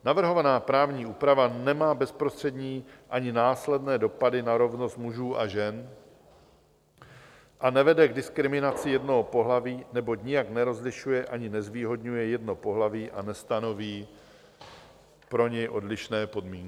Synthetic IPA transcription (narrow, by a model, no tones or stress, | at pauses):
navr̩ɦo̞vanaːpɾaːvɲiːuːpɾavanɛmaːbɛspɾo̞st̪r̥ɛdɲiːʔaɲɪnaːslɛdnɛːdo̞padɪnaɾo̞vno̞st̪muʒuːʔaʒɛn | ʔanɛvɛdɛɡdɪskɾɪmɪnat͡sɪjɛdnoɦopo̞ɦlaviːnɛbo̞cɲɪjaknɛɾo̞zlɪʃujɛʔaɲɪnɛzviːɦo̞dɲujɛjɛdnopo̞ɦlaviːʔanɛst̪ano̞viː | pɾo̞ɲɛjʔo̞dlɪʃnɛːpo̞dmiːŋkɪ